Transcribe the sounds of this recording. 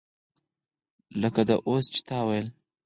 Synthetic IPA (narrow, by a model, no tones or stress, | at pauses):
ləkad̪aʔost͡ʃt̪awajl